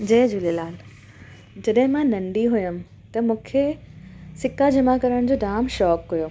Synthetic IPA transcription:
d͡ʑeːd͡ʑulelaːl | d͡ʑɐɗɦɪ̃mãnɐ̃ɳɖiɦʊjəm | t̪ɐmũːkʰe | sɪkad͡ʑɐmakɐɾəɽ̃d͡ʑoːɖaːmʃɔːkːɐjoː

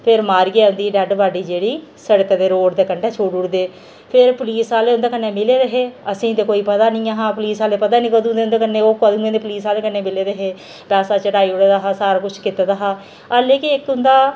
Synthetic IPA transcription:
pʰɪɾmaːɾiɡeaːʊ̃nd̪iːɖɛɖbaːɖiːd͡ʒeːɽiː | səɽəkd̪eːɾoːʈd̪eːkəɳɖɛːt͡ʃʰoːɽʊɽd̪eː | pʰɪɾpʊliːsaːleːʊnd̪eːkənːeːmɪleːɾəɦeːəsĩːt̪eːkoːiːpəd̪aːnĩːaɦaːpəliːsaːleːpəd̪aːnĩːkəd̪ũːd̪eːʊnd̪eːkənːẽːoːkəd̪ũːẽːd̪eːpəliːsaːleːkənːẽːmɪleːɾəɦeː | pɛːsaːt͡ʃəʈaːiːʊɽeːd̪aːɦaːsaːɾaːkʊt͡ʃʰkɪt̪ad̪aːɦaː | əleːkɪɪkʊnd̪aː

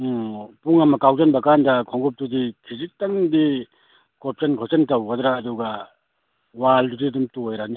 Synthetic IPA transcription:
puŋɐmɐkawzɐnbɐkandɐkʰɔŋɡup̚tudikʰizik̚taŋdi | kop̚sɐnkʰɔp̚sɐntɐwɡɐdɾaːduɡɐ | waldudidumtujɾani

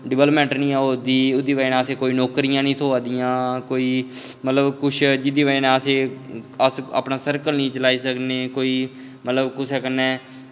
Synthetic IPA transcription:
ɖɪʋɛːləpmɛ̃ːɳʈnĩːãɦoːd̪iːʊd̪iːʋaenɛːəseːkoːiːnoːkɾijãːnĩːt̪ʰoːaːd̪ijãːkoːiː | mət̪ləbkʊt͡ʃʰd͡ʒɪd̪iːʋainɛːəseːəsə̰ːpnaːsəɾkəlnĩːt͡ʃəlaːiːsəkneːkoːiː | mət̪ləbkʊsɛːkənɛ̃ː

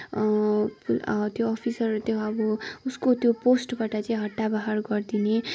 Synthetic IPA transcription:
pt̪joʌpʰisʌrʌt̪joʌbʌuskot̪joposʈbaʈʌt͡saĩɦʌʈːabaɦarɡʌrd̪ine

